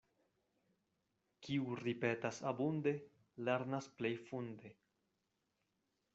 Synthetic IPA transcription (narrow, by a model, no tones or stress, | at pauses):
kiuɾipetasabunde̞ | le̞ɾnasple̞jfunde̞